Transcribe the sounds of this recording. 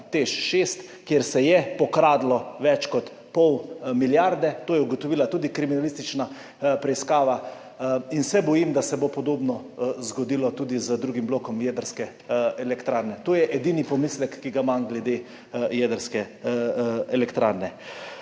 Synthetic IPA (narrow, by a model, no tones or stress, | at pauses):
t̪eʃʃest̪ | kjeɾsɛjɛpɔkɾaːd̪lɔʋɛt͡ʃkɔt̪ | pɔwmiljaɾd̪ɛt̪oːjɛuɡɔt̪ɔʋiːlat̪uːd̪ikɾiminalist̪it͡ʃna | pɾɛiskaːʋa | insɛbɔjimd̪asɛbopɔd̪oːbnɔ | zɡɔd̪iːlɔt̪uːd̪izəd̪ɾuɡimbloːkɔmjɛd̪əɾskɛ | ɛlɛkt̪ɾaːɾnɛt̪oːjɛʔɛd̪inipɔmislɛkːiɡamanɡlɛd̪e | jɛd̪əɾskɛ | ɛlɛkt̪ɾa̰ːɾnɛ